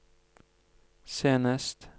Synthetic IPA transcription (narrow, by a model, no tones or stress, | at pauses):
seːnəst̪